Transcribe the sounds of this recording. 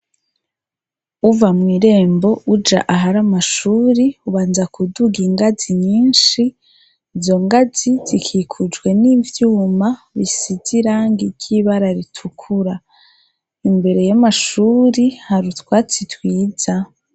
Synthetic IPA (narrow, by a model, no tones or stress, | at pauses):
uvamŋiːɾe̞ːmbo̞ud͡ʒa̰ʔaɦaɾamaʃuːɾiuβaːnzakuduɡiŋɡaziɲiːnʃi | zo̞ŋɡazizikʰikʰud͡ʒɡwe̞nivjuːma | βisiziɾaŋɡiɾɟiβaɾaɾitʰukʰuɾa | imbe̞ɾe̞jamaʃuːɾihaɾutwaːt͡sitwiːz̥a